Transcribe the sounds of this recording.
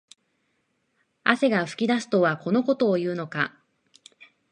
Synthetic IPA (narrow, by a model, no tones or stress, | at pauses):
a̰se̞ɡaɸɯ̟̥kʲid̪asɨ̥t̪o̞βako̞no̞ko̞t̪o̞ːjɯ̟ːno̞ka̰